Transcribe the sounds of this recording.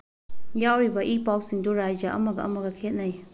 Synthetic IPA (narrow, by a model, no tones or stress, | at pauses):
jawɾibɐʔipawk̚siŋduɾajd͡ʒaʔɐ̰mɐɡɐʔɐ̰mɐɡɐkʰet̚naj